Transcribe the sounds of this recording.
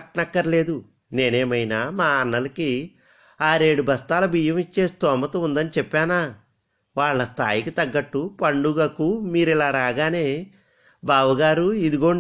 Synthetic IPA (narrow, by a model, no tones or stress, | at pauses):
ʈnɐkːɐɾle̞ːd̪u | ne̞ːneːmɐjnaːmaːɐnːɐlɐki | aːɾe̞ːɽubʱɐst̪aːlɐbʱijɐmit͡ʃːe̞ːst̪ɔːmɐt̪ɐund̪ɐnit͡ʃɛpːaːnaː | ʋaːɭːɐst̪ʰa̰ːjikit̪ɐɡːɐʈːupɐɳɖuɡɐkumiːɾilaːɾaːɡaːne̞ː | baːʋɐɡaːɾuid̪uɡo̞ː